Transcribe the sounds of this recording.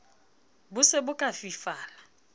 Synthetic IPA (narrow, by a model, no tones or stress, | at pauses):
bʊsebʊkʼafifaːla